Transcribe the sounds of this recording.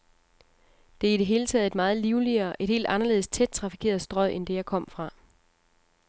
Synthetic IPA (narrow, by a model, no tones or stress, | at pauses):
d̥e̝ɐiɾ̥e̝ɦe̝ːlət͡sʰɛ̰ːð̞̩ˠe̝d̥mɑ̈ːð̩ˠliʊliɐʔe̝d̥he̝̰ːld̥ɑ̈nɐle̝ð̞̩̰ˠst͡sʰed̥̚t͡sʰʁɑ̈fi̥kʰe̝̰ːɐð̞̩ˠsd̥ʁɒ̰ʔend̥e̝jɑ̈ɪkʰɒ̽m̰fʁɑ̈